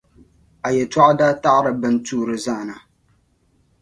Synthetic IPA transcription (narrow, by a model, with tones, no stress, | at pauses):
a˨jɛ˨ta˦ʔa˦da˦ta˦ʔɾɨ˨bɨ˦n˦tuː˦ɾɨ˨zaː˦˨na˨